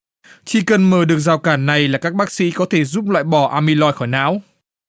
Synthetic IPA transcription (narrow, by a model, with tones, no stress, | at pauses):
t͡ɕi˧kə˨˧˩nməː˨˩ɗɨ˨˩ək̚zaː˨˩wkaː˧˩nːa˨˩jlaː˨˩kaː˦˥k̚ɓaː˦˥k̚sḭ˧˥kɔ˨˦t̪ʰe˧˩zu˦˥p̚la̰ː˧˨jɓɔ˧˩ʔaː˧mi˧lɔ˧jxɔ˧˩jna̰ː˧˥w